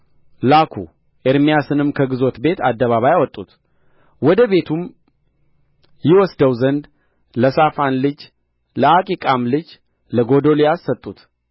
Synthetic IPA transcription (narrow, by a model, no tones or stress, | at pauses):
lakʰṵ | ʔeɾmijasɨnɨmkʰəɡɨzo̞t̪be̞t̪ad̪ːəβaβajawɔt̪ʼːut̪ | wɔd̪əβe̞t̪ʰum | jɪwɔsd̪əwzənd̪ | ləsafanlɨd͡ʒ | ləakʼikʼamlɨd͡ʒ | ləɡod̪olijasːət̪ʼːut̪